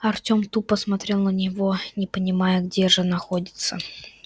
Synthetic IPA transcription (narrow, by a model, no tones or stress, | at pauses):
ɐrtʲo̞mt̪upːəsmɐt̪ɾʲe̞lˠnənʲɪvo̞nʲɪpənʲɪmajəɡdʲe̞ʐɨnɐxodʲɪt̪sə